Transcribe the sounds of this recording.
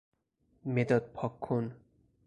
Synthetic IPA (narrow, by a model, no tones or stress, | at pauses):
med̪ɔt̪̚pʰɔkʰːon